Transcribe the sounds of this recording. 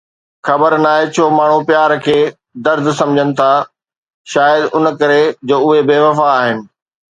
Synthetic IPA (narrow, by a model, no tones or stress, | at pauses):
xɐbəɾnaːɦet͡ɕʰoːmaːɳ̤̃upjaːɾkʰeː | d̪ɐɾd̪ʱsɐ̃md͡ʑʱənɪ̆t̪ʰaː | ʃaːjəd̪ʊn̆kɐɾed͡ʑoːʊɦebeːʋɐfaːɦɪnɪ̆